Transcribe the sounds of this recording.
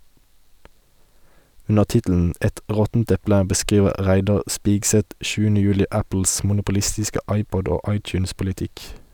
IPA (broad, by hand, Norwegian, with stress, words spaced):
ˈʉnə ˈtɪtl̩n̩ ˈɛt ˈʁɔtn̩t ˈɛplə bəˈskiːʋə ˈʁæɪdɑʁ ˈspɪɡˌsɛt ˈʃʉːənə ˈjʉːlɪ ˈæpl̩s mʊnʊpʊˈlɪstɪskə ˈɑɪˌpɔd ˈoː ˈɑɪˌtjʉːnspʊlɪˌtɪk